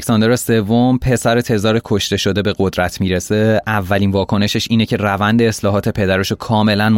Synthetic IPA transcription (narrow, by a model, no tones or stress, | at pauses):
sɒnd̪eɾɒse̞vːompʰe̞sæɾet̪ʰe̞zɒːɾekʰoʃt̪e̞ʃo̞d̪e̞be̞ɣod̪ɾæt̪ʰmiːɾese̞ʔævːæliːnvɒːkʰo̞ne̞ʃeʃiːne̞cʰe̞rævænd̪e̞ːslɒːɦɒːt̪ʰe̞pʰe̞d̪æɾeʃokʰɒːme̞læn